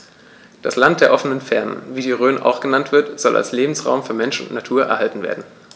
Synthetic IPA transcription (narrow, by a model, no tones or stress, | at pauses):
d̥aslant̚d̥eːɐʔɔfənənfɛɐnə̰nviːdiːʁøːnʔa̰ʊxɡ̥ənantv̥ɪɐtz̥ɔlʔa̰lsleːbm̩sʁa̰ʊmfyːɐmɛnʃʊ̰ntnatʰuːɐʔɛ̰ɐhɦaltn̩vḛːɐdn̩